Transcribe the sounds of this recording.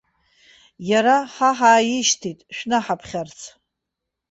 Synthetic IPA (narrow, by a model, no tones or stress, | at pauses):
jaɾaħaħaːjɪʃtʰitʼʃᶣnaħapʰχʲart͡sʰ